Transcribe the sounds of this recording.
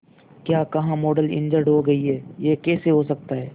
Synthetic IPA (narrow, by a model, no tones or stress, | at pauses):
kjaːkɐɦãmoːɖəlɪ̰̃nd͡ʒəɾɖɦoɡɐiɦɛːjekɛːseɦosɐk̚t̪aɦɛː